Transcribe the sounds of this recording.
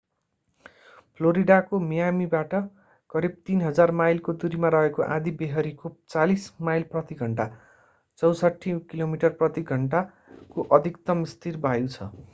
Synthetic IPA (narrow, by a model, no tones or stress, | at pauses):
pʰloɾiɖakomijamibaʈʌ | kʌɾib̚t̪inɦʌd͡zarmajlkod̪uɾimaɾʌɦekoʔã̰d̪ibeɦʌɾikot͡salismajlprʌt̪iɡʱʌɳʈa | t͡sʌwsʌʈʰːikilomiʈʌrprʌt̪iɡʱʌɳʈa | koʔʌd̪ʱikt̪ʌmist̪ʰirbʱajut͡sʰʌ̰